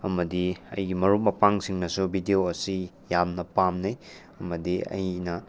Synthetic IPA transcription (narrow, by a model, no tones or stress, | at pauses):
ɐmɐdiɐ̰jɡimɐɾuk̚mɐpaŋsiŋnɐsubʱidioɐsi | jamnɐpamnij | ɐmɐdiɐ̰jnɐ